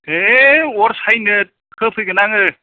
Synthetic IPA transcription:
ewɔɾsajnɯkʰɯpʰɯɡɯnaŋɯ

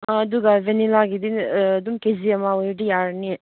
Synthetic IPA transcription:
ãd̪uɡaʋenilaɡid̪ind̪umkeziamaoɖijaɾni

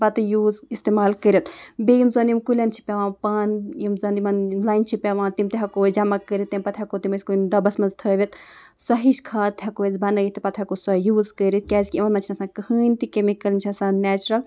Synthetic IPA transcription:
pɐt̪ɨjuːzist̪emaːlkəɾʲit̪bejimzɐnd̪jimkulʲɐnt͡ʃʰi̥pʲaʋãːpanjimzɐnd̪imɐnlaːjnt͡ʃʰipʲaʋãːt̪imt̪eɦɐkoːd͡ʒɐmɐkːəɾʲit̪ːimpɐt̪ʰʲɐkot̪iməsʲkond̪ɐbɐsmɐnzt̪ʰəːʋʲɐt̪ | sɐɦiʃkʰaːt̪ʰʲɦɐkoːjzbɐnɐjit̪ipɐt̪ʰʲɐkosɐjuːzkəɾit̪̚kʲɛːzʲkʲiimɐnmɐnt͡ʃʰinɐsãːkəhɨːnʲt̪ikemikɐlmt͡ʃʰɐsãːnɛːt͡ʃɾɐl

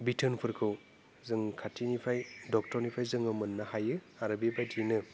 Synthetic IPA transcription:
bitʰɯnpʰɯɾkʰɯw | zɯŋkʰatʰinipʰajdɔk̚tɔɾnipʰajzɯŋɯmɯnːahajɯ | aɾɯbebajtʰinɯ

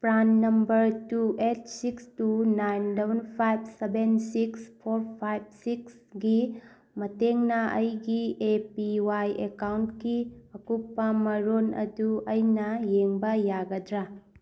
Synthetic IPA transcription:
pɾanːɐmbɐɾtuʔet̚sikstunajnlebunpʰajb̚sebensikspʰoɾpʰajb̚siks | ɡi | mɐteŋnɐɐjɡiepiwajekawntkiɐkuk̚ːɐmɐɾonɐ̰duɐjnɐjeŋbɐjaɡɐdɾa

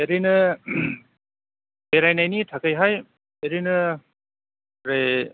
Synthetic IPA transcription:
eɾinɯ | beɾajnajnitʰakajɦaj | eɾinɯ | ɾej

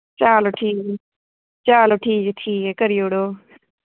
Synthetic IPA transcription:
t͡ʃaːloːʈʰiːk | t͡ʃaːloːʈʰiːkːʈʰiːkɛkəɾijoːɽoː

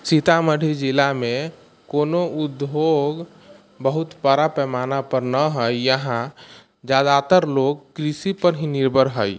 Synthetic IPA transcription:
sit̪aməɽʱid͡ʒilame | konoud̪ʱoɡ | bəɦut̪pəɾapɛmanapəɾnəɦəjjəɦã | d͡ʒad̪at̪əɾloɡ̚kɾisipəɾɦĩniɾbʱəɾɦəj

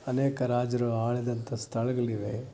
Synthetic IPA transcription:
ɐneːkɐɾaːd͡ʒɐɾuaːɭid̪ɐnt̪ʰɐst̪ʰɐɭɐɡɐɭiʋe̞

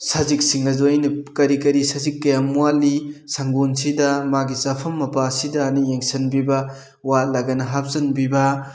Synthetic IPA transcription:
sɐzik̚siŋlɐzojnɐkɐɾikɐɾisɐzikːɐjamualːisɐŋɡonsidɐmaɡisɐpʰɐmːɐpasidɐːnijeŋsɐnbibɐ | walɐɡɐnɐɦap̚zɐnbibɐ

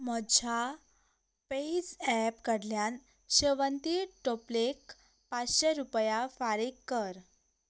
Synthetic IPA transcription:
məd͡ʑʱa | peid͡zɛpkəɽljan | ɕəʋənt̪iʈoplek | pat͡sɕeɾupjafaɾikːəɾ

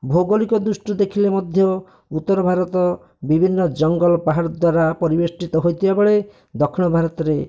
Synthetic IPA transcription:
bʱoɡolikɔd̪usʈud̪ekʰilemɔd̪ʱjɔ | ut̪ːɔɾɔbʱaɾɔt̪ɔ | bibʱinːɔd͡ʒɔŋɡɔlɔpaɦaɾɔd̪waɾapɔɾibesʈit̪ɔɦojt̪ʰibabɔɭe | d̪ɔkʰiɽɔbʱaɾɔt̪ɔɾe

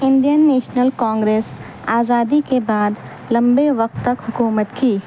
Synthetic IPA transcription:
ɪ̃ɳɖijənːeːʃnəlkãːŋɡɾeːs | aːzaːd̪ikebaːd̪ | lɐ̃mbeʋɐq̚t̪ːɐkɦʊkuːmət̪kiː

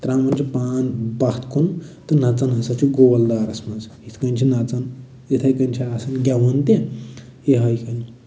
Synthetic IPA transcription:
t̪ɾãːmmɐnʲt͡ʃʰipaːnbɐht̪ʰkʰunt̪ɨnɐt͡sɐnɦɐsɐt͡ʃʰuɡowɐld̪aːɾɐsmɐnzit̪ʰkɐnʲt͡ʃʰinɐt͡sɐn | et̪ʰɐjkɐnʲt͡ʃʰiasɐnɡʲaʋɐnt̪ẽ | eɦɐjkɐn

